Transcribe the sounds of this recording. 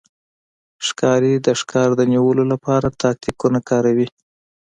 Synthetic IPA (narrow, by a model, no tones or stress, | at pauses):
ʂkɑɾed̪əʂkɑɾd̪əniwəlolapɑɾat̪ʰɑk̚t̪ikunakɑɾawi